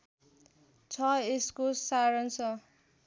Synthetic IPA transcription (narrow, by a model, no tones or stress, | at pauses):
t͡sʰʌeskosaɾʌnsʰʌ